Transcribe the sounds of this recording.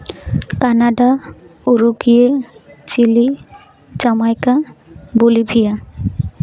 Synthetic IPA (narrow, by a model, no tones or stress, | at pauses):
kanaɖa | oɾuɡijet͡ɕili | d͡ʑamajkabolibʱija